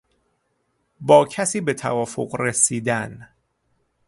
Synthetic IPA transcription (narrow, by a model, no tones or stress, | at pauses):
bɒːcʰæsiːbe̞t̪ʰæ̰vɒːfoɢɾesiːd̪æn